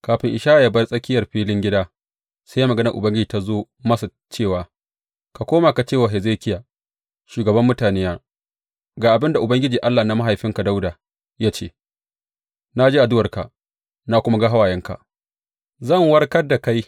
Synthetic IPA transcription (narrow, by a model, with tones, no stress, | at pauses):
kaː˨ɸɪ˨ŋʔɪ˨ʃaː˦ʔa˨ja˦bɐ˦rsʼɐ˦kʲɪ˦jɐ˨rɸiː˦lɪ˦ŋɡʲɪ˦daː˦ | sa˦jaː˦mɐ˨ɡɐ˦nɐ˨ʔʊ̰˨bɐ˦ŋɡʲɪ˦d͡ʒiː˨ta˦zoː˦ | mɐ˦sa˨ | t͡ʃeː˦˨waː˨ | ka˨kʷoː˦ma˨ka˨t͡ʃeː˦˨waː˨ɦɛ˨zeː˦˨kʲɪ˦ja˨ | ʃuː˨ɡɐ˨bɐ˦mːʊ˦taː˨neː˦jaː˦ | ɡaː˨ʔa˨bɪ˦nda˨ʔʊ˨bɐ˦ŋɡʲɪ˦d͡ʒiː˨ʔa˦lːa˨na˦ma˦ɦa˨jɸɪ˦ŋka˨da˦wdaː˨ | jaː˦t͡ʃeː˦˨ | na˦d͡ʒeː˦ʔa˨dʊ˦wɐ˨rka̰˨ʔ | na˦kʷʊ˦ma˦ɡa˦ɦa˦waː˨jɛ˦ŋka̰˨ʔ | zɐ˦˨ŋwɐ˦rkɐ˦rda˨ka˦j